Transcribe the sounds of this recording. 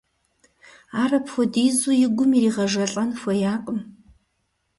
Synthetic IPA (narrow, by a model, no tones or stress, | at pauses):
aːrɐpxʷɔdiːzujɪɡʷʊmiriːʁɐʒɐɬʼɐnxʷɔjaːqʼəm